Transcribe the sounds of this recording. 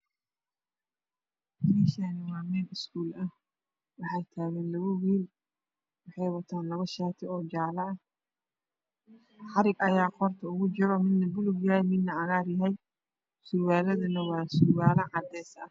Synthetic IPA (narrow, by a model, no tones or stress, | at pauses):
tiːʃɐːnɐwɑːmɛːnɪskʰuːlɐh | wɑħɑjt̪ʰaːɣɛːnlɐɣʊwiːl | wɑħɑjwɐt̪ʰaːnlɐβɐʃaːt̪ʰɪɔːd͡ʒaːlɐɐ | ħɑɾɪɡɐjaːqɔrt̪ʰɐʊɣʊt͡ʃɪɾɔmɪd̪nɐbʊlʊɡjɐɦɛjmɪd̪nɐʕɑɣaːrjɐɦɛj | sʊɾwaːlɐðɐnɐwɑːsʊrwaːlɐʕɑd̪ɛːsɐh